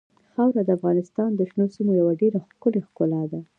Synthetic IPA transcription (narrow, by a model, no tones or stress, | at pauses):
xawɾad̪əafɣɑnɪst̪ɑnd̪əʃnosimojawaɖeɾaxkʊlexkʊlɑd̪a